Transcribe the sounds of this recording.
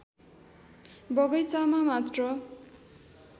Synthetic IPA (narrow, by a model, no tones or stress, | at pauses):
bʌɡʌjt͡samamat̪rʌ